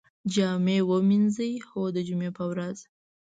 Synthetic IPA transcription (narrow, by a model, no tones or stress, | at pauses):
d͡ʒɑmewəminzəjxod̪əd͡ʒumepəwɾaz